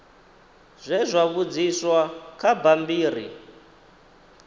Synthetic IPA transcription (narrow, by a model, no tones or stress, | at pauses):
zʷɛzʷaβud͡ziswakʰabambiːɾḭ